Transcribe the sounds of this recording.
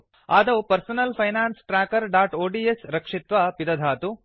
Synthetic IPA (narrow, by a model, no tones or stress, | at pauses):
aːd̪ɐpɐɾsɐnɐlpʰɐjnaːnsʈɾaːkɐɾɖaːʈoːɖiesɾɐkʂit̪ʋɐpid̪ɐd̪ʱaːt̪u